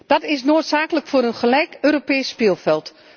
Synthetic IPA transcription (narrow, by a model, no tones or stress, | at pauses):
d̥ɑtɪsnoːtsaːkələkfʊːɾənχəlɛjkøːɾopɛjsːpɪːlˠfɛlˠt